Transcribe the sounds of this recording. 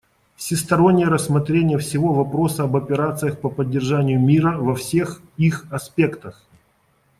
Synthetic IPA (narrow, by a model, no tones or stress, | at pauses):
fsʲɪst̪ɐɾo̞nʲːɪjəɾəsːmɐt̪ɾʲenʲɪjəfsʲɪvo̞vɐpɾo̞səɐbɐpʲɪɾat̪sɨjəxpəpədʲːɪrʐanʲɪjʊmʲiɾəvɐfsʲe̞x | ixɐspʲe̞kt̪əx